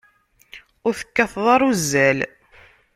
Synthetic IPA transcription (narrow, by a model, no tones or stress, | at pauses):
ʊɾθə̥kːɑθðˤɑɾˤuzːæl